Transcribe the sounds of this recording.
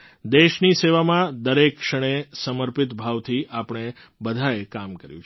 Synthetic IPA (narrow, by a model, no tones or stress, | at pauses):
d̪eʃniseʋamãd̪əɾekʃəɽ̃esəməɾpɪt̪bʱaʋt̪ʰiʔapɳ̃e | bəd̪ʱaekamkəɾjũt͡ʃʰ